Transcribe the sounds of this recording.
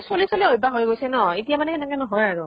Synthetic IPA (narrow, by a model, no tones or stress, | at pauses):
solisoliojbaɦojɡojsɛnɔitijamanɛkɛnɛkɔnɔɦɔjaɹu